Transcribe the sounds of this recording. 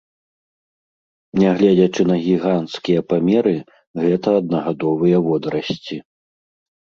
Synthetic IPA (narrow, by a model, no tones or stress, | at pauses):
nʲɛɣlʲɛd͡zʲɐt͡ʂɨn̪ɐɣʲiɣant̪skʲijɐpamʲɛɾɨ | ɣɛt̪ɐːd̪̚nɐɣad̪ɔvɨjɐvɔd̪ɾɐsʲt͡sʲi